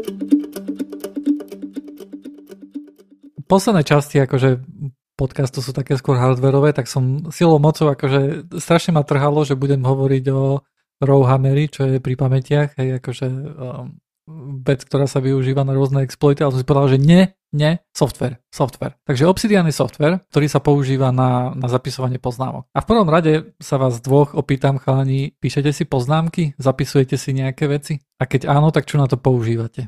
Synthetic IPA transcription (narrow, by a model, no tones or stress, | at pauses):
pɔslɛd̪nɛːt͡ʃasciakɔʒɛ | pɔt̪kast̪usuːt̪akɛːskʊɔɾɦaɾd̪ʋɛɾɔʋɛːt̪aksɔmsilɔʊmɔt͡sɔʊakɔʒɛst̪ɾaʃɲɛmat̪r̩ɦalɔʒɛbuɟɛmɦɔʋɔɾiɟɔ | ɾɔʊɦamɛɾit͡ʃɔjɛpɾipamɛcɪaxɦɛjakɔʒɛ | ʋɛt͡sk̚t̪ɔɾaːsaʋiuʒiːʋanaɾʊɔznɛɛksplɔit̪ialɛsɔmsipɔʋɛd̪alʒɛɲɛ | ɲɛsɔft̪ʋɛɾsɔft̪ʋɛ̰ɾt̪aɡʒɛɔpsid̪ialnisɔft̪ʋɛɾt̪ɔɾiːsapɔuʒiːʋananazapisɔʋaɲɪɛpɔzna̰ːmɔ̰k̚afpr̩ʋɔmɾaɟɛsaʋaːzd̪ʋɔxɔpiːt̪amxalaɲiːpiːʃɛcɛsipɔznaːmkizapisujɛcɛsiɲɛakɛːʋɛt͡si | akɛɟaːnɔt̪akt͡ʃunat̪ɔpɔuʒiːʋacɛ